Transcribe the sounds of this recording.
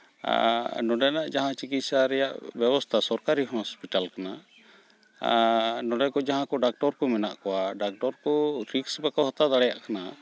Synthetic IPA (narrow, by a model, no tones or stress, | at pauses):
nɔɖɛnaʔd͡ʒaɦãt͡ʃikit̪saɾɛjaʔbjɛbɔst̪ʰasɔɾkaɾiɦɔspiʈalkana | nɔɖɛkɔd͡ʒaɦãkɔɖak̚ʈɔɾkɔmɛna̰ʔkɔwaɖak̚ʈɔɾkɔɾiksbakawɦat̪ad̪aɽɛjaʔkana